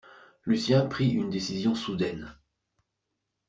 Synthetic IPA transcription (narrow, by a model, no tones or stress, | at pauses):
lysjɛ̃pχiʔynd̪esizjɔ̃sud̪ɛn